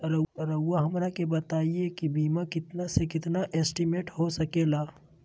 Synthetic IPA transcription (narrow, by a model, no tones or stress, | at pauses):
ɾɐɾɐːaɦɐmɾakebɐt̪aːiekibiːmakɪt̪nasekɪt̪naʔɛːsʈimeːʈhosɐkeːlaː